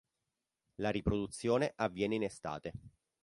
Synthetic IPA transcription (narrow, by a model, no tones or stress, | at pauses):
laɾipɾod̪ut̪sːjoːneʔavːjɛːneinest̪a̰ːt̪e